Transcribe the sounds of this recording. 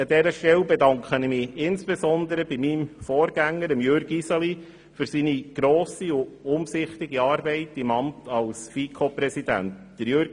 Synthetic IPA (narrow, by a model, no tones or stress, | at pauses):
ədɛɾəʃtɛlbɛdɑŋkχənmɪɪnsb̥esɔnd̪əɾəbimimfɔːɾɡæŋːəɾəmjøɾɡisɑli | fʏɾsiːniɡ̥ɾoːsiʊʊmsɪχtɪɡiɑːɾbɛɪtɪmɑmtɑlsfiːkʰoprɛsid̥æ̰ntd̥əɾjøɾɡ